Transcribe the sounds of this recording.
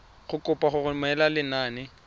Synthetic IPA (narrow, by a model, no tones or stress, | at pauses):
χʊkʼʊpʼaχʊχʊmɛlalɪnaːnɪ